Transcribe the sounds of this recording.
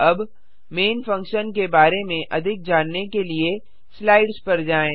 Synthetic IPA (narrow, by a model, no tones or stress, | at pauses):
ɐb | meːnfɐ̃ŋkʃənkebaːɾemẽʔɐd̪ʱɪk̚d͡ʒaːnːekelie | slaːɪɖspɐɾd͡ʒaːẽː